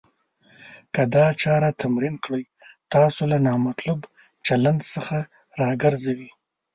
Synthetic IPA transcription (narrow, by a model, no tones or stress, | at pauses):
kad̪ɑt͡ʃɑɾat̪ʰamɾinkɽəj | t̪ɑsolanɑmat̪lub | t͡ʃaland̪səxa | ɾɑɡəɾzawi